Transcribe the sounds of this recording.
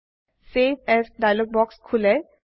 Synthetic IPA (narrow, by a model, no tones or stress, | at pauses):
sebɛsɖajlɔɡ̚bɔkskʰule